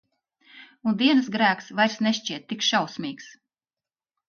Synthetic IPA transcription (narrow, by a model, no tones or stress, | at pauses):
und̪iɛnɨsɡɾæːksvajɾsneʃt͡ʃiɛt̪ːikʃawsmʲiːks